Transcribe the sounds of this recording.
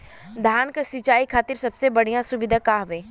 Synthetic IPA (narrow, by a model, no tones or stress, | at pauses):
d̪ʱaːnkasit͡ʃaːikʰaːt̪ɪɾsɐbsebɐɽ̤ijãsʊʋɪd̪ʱakaːɦʋẽː